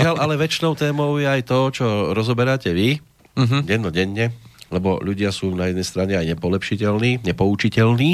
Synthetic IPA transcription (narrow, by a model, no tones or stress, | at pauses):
ɪalʔalɛʋɛt͡ʃnɔʊt̪ɛːmɔʊjɛajt̪ɔt͡ʃɔɾɔzɔbɛɾaːcɛʋi | ɟɛnːɔɟɛɲːɛlɛbɔ̰ʎuɟɪasuːnajɛd̪nɛjst̪ɾaɲɛajɲɛpɔlɛpʃicɛlniːɲɛpɔut͡ʃicɛʎniː